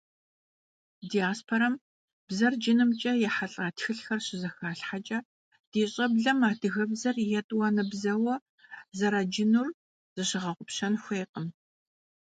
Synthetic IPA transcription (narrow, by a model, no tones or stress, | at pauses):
dijaːspʰoɾɐm | b̥zɐrd͡ʒɪnɨmt͡ʃʼɐjɛħaɬʼaːtʰxɨɬxɐrɕɪzɐxaːɬħat͡ʃʼɐ | d̥eːɕʼɐbɮɐmaːdʰɨɣɐbzɐrjɛtʼwɐnɨbzɐwɐ | zɐɾaːd͡ʒɪnur | z̥ɨɕɪʁɐʁʷʊpɕɐnxʷeːjqʼəm